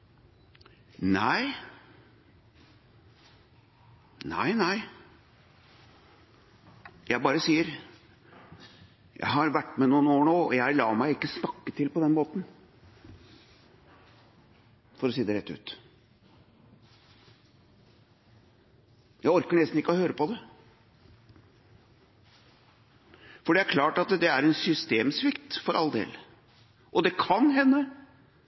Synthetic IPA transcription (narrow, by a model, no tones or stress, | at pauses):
næɪ | næ̰ɪnæɪ | jæɪbɑːɾəsiːəɾ | jæ̰ɪɦɑɾʋæʈːmɛnuːənoːɳoːɔ̰jæɪlɑːmæɪɪkːəsnɑkːət̪ʰɪlpɔd̪ɛnmoːt̪n̩ | fɔɾɔsiːd̪əɾɛt̪ːʉ̰ːt̪ | jæɪɔɾkəɳɛst̪n̩ɪkːəɔhøːɾəpɔd̪ɛ | fɔɖɛæɾkʰlɑːʈɑt̪d̪ɛæɾɛnsʏst̪eːmsʋɪkt̪fɔɾʔɑ̰ld̪ḛːl | ʔɔd̪ɛkʰɑnɦɛnːə